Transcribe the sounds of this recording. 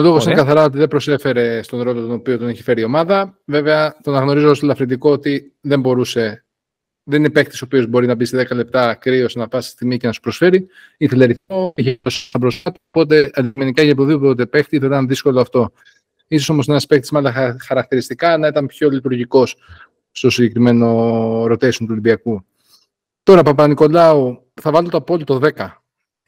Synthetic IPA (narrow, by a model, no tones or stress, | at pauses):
olo̞ɣoinekɐθɐɾɐo̞t̪iðebɾo̞se̞fe̞ɾe̞st̪o̞nɾo̞lot̪ono̞pio̞t̪oniçi̥fe̞ɾio̞mɐðɐve̞veɐt̪onɐɣno̞ɾizost̪elɐfɾind̪iko̞ot̪i | ðe̞mbo̞ɾuse̞ | ðenine̞pe̞kt̪isopio̞zbo̞ɾinɐbist̪eðe̞kɐle̞p̚t̪ɐkɾio̞snɐpɐst̪i̥st̪iɣmicenɐsu̥pɾo̞sfe̞ɾi | iθeleɾiθoiçeosɐbɾosɐt̪opo̞t̪̬e̞ɐd̪ime̞nikɐçɐp̬t̪oðipoot̪̬e̞pext̪iθɐit̪ɐnðisko̞loɐft̪o̞ | iso̞so̞mosenenɐspek̚t̪izmɐlɐxɐɾɐkt̪iɾist̪ikɐnɐit̪ɐnpço̞lit̪uɾʝiko̞s | st̪o̞siɲɟe̞kɾime̞no̞ɾo̞t̪esont̪uolibiɐku | t̪o̞ɾɐpɐpɐniko̞lɐu | θɐvɐltot̪oɐpo̞lit̪o̞ðe̞kɐ